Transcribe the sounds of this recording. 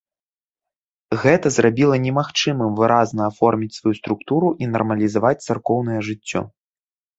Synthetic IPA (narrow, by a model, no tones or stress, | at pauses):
ɣɛt̪ɐzrabʲilˠɐnʲɛmaxt͡ʂɨmɨmvɨɾʔaznɐːfɔrmʲit͡sʲsvajust̪ɾukt̪uɾuʔinɐ̰rmɐlʲizavat͡sʲt̪sarkɔwnɐjɛʐɨt͡sʲːɔ̰